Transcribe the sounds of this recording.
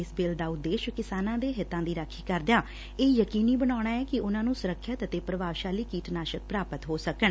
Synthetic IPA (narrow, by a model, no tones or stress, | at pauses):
ɪsbeːld̪aːʊt̪d̪ːeːʃkɪsaːnãːd̪eːɦɪt̪ːãːd̪iːɾəkʰːiːkəɾd̪jaː | eːjəkiːniːbənaːɽ̃aːɛːkɪʊnãːnũːsʊɾəkʰːət̪ət̪eːpɾəbaːʋʃaːliːkiːʈnaːʃək̚pɾaːpət̪ɦoːsəkəɳ